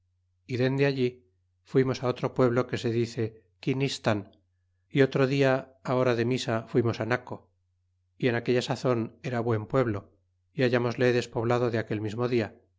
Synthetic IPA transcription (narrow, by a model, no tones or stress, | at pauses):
iðe̞nd̪eaʎi | fwimo̞sao̞t̪ɾo̞pwe̞β̞lo̞ke̞se̞ðiθe̞ | kinist̪an | io̞t̪ɾoðiaao̞ɾaðe̞misafwimo̞sanako̞ | ie̞nake̞ʎasaθo̞ne̞ɾaβwe̞mpwe̞βlo̞ | iaʝamo̞zle̞ðe̞spo̞βlaðo̞ðeake̞lmizmo̞ðia